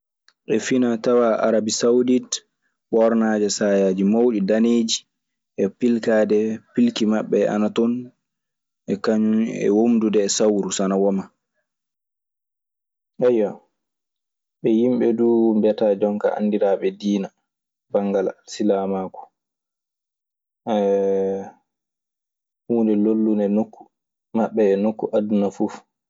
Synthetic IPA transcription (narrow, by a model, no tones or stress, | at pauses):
ʔɛfinatawaʔa̰ɾabisawdit | ɓɔɾnaːd͡ʒɛsajaːd͡ʒimawɗidaneːd͡ʒi | ʔɛpilkaːdɛpilkimaɓːɛa̰natɔn | ʔɛkaɲunɛ̰womdudɛːsawɾusanawɔma | ʔajːa | ɓɛjimɓɛduːumbɛtad͡ʒɔŋka̰a̰ndiɾaɓɛdiːna | b̥aŋɡala̰silamaːkɔ̥ | ɛ | huːndɛlolːunɛnokːu̥ | maɓːɛːnokːuʔadunafuf